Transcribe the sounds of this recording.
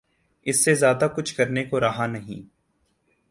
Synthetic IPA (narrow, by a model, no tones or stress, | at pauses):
ɪsːezjaːd̪akʊt͡ʃʰkɐɾnekoɾɐɦanɐɦḭ̃ː